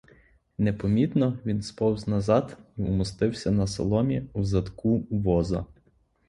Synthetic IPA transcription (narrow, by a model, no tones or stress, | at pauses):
nepɔmʲit̪nɔʋʲinspɔwznɐzɑd̪iumʊst̪ɪwsʲɐnɐsɐ̰lˠɔmʲiuzɐd̪kuʋɔzɐ̰